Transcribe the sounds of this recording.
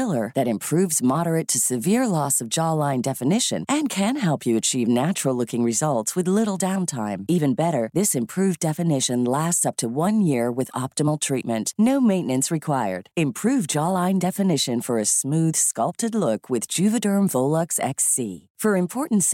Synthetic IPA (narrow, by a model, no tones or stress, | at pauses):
lˠə˞ðɨɾɨ̃mpʰɹ̥ʉvzmɑɾə˞ɨtʰɨsɨvɪɹlɔsʌvd͡ʒɑlãɪ̃ndɛfɨnɪʃɨ̰̃nʔɨ̃nkʰɨ̃nɦɛlˠpʰjɨɨt͡ʃʰivnæt͡ʃɹl̩ˠlʊkɪ̃ŋɹɨzʌlˠtswɨðlɪɾl̩ˠdãʊ̃ntʰãɪ̃mivɨ̃nbɛɾə˞ðɪsɨ̃mpʰɹ̥ʉvdɛfɨnɪʃɨ̃nlæstsʌp̚tʰɨwʌ̃njɪɹwɨðɑp̚tɨml̩ˠtʰɹ̥it̚mɨ̃nʔnoʊmẽɪ̃nɨ̃nsɹɨkʰw̥aɪə̰˞d̥ɨ̃mpʰɹ̥ʉvd͡ʒɑlãɪ̃ndɛfɨnɪʃɨ̃nfə˞ɨsmʉð̥skʌlˠp̚tɨdˡlʊkʰwɨðd͡ʒʉvɨdɜ̃˞ɱvoʊlˠəksɛ̰ksḭ | fə˞ɨ̃mpʰɔɹʔn̩ts